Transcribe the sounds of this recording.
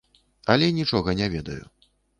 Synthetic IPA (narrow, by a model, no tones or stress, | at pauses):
ɐlʲɛnʲit͡ʂɔɣɐnʲɛvʲɛd̪ɐ̰jṵ